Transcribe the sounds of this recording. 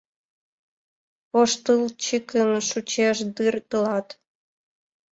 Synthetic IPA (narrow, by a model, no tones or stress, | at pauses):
poʃt̪ɨlt͡ɕikənʃut͡ɕeʃd̪ɨrt̪əlɑt̪